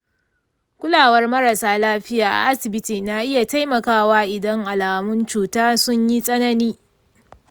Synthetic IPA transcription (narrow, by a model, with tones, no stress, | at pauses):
kʷʊ˦laː˨wɐ˦rmɐ˦ɾɐ˨saː˦laː˦ɸɪ˦jaː˨ʔa̰˨ʔa˦sɪ˨bɪ˦tiː˨na˦ʔɪ˦ja˨ta˦jmɐ˨kaː˦waː˦ʔɪ˨dɐ˦ŋʔa˨laː˨mʊ˦nt͡ʃuː˨taː˦sʊ˦ɲji˦sʼɐ˦nɐ˦niː˦